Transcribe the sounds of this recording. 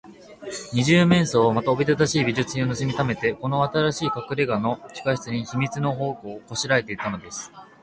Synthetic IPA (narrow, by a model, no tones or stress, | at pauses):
ɲ̟iʑɨːmẽ̞ɰ̃so̞ːmat̪aobʲit̪ad̪aɕiːbʲiʑɨt͡sɨɲio̞nɯ̟sɨmʲit̪ame̞t̪e̞ko̞no̞at̪aɾaɕiːkakɯ̟ɾe̞ɡano̞t͡ɕi̥kaɕi̥t͡sɨɲ̟içimʲit͡sɨno̞ɦo̞ːko̞ːko̞ɕiɾae̞t̪e̞it̪ːano̞d̪e̞sɨ̥